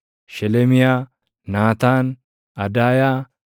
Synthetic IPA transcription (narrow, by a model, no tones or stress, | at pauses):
ʃɛlɛmɪjaː | naːt̪aːn | ɐd̪aːjaː